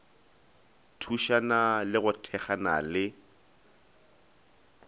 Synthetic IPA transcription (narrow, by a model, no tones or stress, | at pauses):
tʰuʃanalɪɣʊtʰɛχana̰lɪ